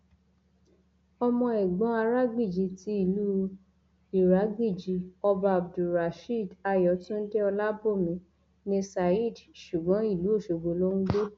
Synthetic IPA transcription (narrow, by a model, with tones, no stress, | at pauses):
ɔ˧mɔ̃˧ɛ˨ɡ͡bɔ̃˨˦a˧ɾa˦ɡ͡bi˦˨d͡ʒi˨˦ti˧˦i˦˨lu˦ | i˨ɾa˨˦ɡi˦˨d͡ʒi˨˦ɔ˧ba˧a˨b̚du˨ɾa˨ʃi˦˨da˧jɔ˨˦tũ˦n̩˦de˦ɔ˧la˦bo˦˨mĩ˨˦ | nĩ˧sa˧i˦˨dʃu˨ɡ͡bɔ̃˨˦i˦˨lu˨˦o˦˨ʃo˨ɡ͡bo˨˦lo˦nũ˦ɡ͡be˦